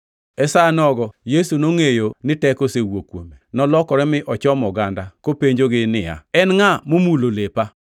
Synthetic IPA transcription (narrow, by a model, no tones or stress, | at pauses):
ɛsanɔɡɔjesunoŋejonɪtɛkosewokwo̰menɔlɔkɔɾɛmɪʔɔt͡ʃɔmɔɡandakopeɲd͡ʒoɡɪnɪja̰ɛnŋamomulolepa